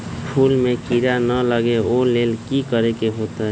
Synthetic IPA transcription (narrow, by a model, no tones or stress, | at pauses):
pʰulmekiɾanələɡeolelkikəɾekeɦot̪ə